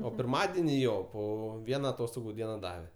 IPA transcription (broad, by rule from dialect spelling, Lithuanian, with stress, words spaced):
oː pʲɪrˈmɑːdʲɛnʲɪ ˈjoː ˈpoː ˈʋʲiɛnɐ ɐˈtoːstoːɡʊ ˈdʲiɛnɐ ˈdɑːʋʲɛ